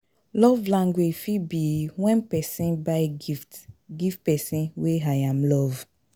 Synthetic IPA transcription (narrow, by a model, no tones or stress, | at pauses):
lɔvlãŋɡwed͡ʒfibiwɛ̃npɛsĩnbaɪɡiftɡiftpɛsĩnweajãmlɔv